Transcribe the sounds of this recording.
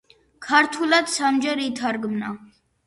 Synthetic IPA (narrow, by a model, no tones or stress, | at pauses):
kʰaɾt̪ʰulad̪samd͡ʒɛɾit̪ʰaɾɡmna